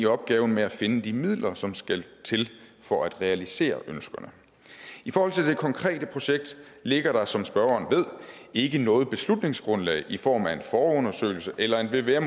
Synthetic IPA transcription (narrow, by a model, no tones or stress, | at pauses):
iɒ̽b̥̚ɡ̥ɛːʊn̩meæfe̝nəd̥imið̞̰ˠlɐsɒ̽msɡ̥ælt͡sʰe̝lfɒʔæd̥ʁɛælise̝̰ːɐ̰ʔønsɡ̥ɐnə | ifɒːhɒ̽l̰t͡sʰe̝ld̥e̝kʰɒ̽ŋkʰʁɛ̰ːd̥əpʰʁo̝ɕeɡ̥̚d̥ | le̝ɡ̥ɐɾ̥ɑ̈sɒ̽msb̥ɶɐɐːnʋe̝ð̞̰ˠe̝ɡ̥ənɔ̽ːð̞̩ˠb̥e̝slud̥ne̝ŋsɡ̥ʁɔ̽nlɛ̰ɪʔifɒ̰ːmæe̝nfɒːɔ̽nɐsø̰ɪl̩səʔelɐe̝nʋe̝ʋeem